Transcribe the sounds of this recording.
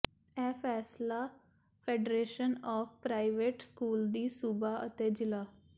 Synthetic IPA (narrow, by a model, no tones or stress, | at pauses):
ɛːfʰɛːslaː | pʰeːɖɾeːʃənɔːfʰpɾaːɪʋeːʈskuːld̪iːsubaːʔə̰t̪eːd͡ʒɪlaː